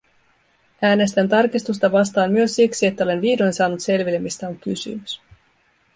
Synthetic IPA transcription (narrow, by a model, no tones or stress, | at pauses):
æːne̞st̪ænt̪ɑrkist̪ust̪ɑʋɑst̪ɑːnmːyø̞sːiksie̞t̪ːæo̞le̞nʋiːdojnsɑːnut̪se̞lʋilːemist̪æoŋkysy̰mys